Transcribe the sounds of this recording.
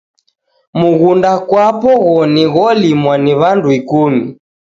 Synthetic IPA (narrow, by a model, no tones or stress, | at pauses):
muɣundakwapɔɣɔniɣɔlimwaniβanduikumi